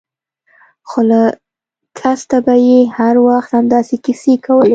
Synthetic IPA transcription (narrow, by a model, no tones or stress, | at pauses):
xola | kʰast̪abajehaɾwaxt̪hamd̪ɑsekisekawəle